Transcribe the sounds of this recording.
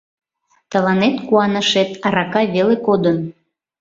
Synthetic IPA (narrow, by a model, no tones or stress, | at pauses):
t̪ə̆lɑnet̪kuɑnə̆ʃet̪ɑɾɑkɑβelekod̪ən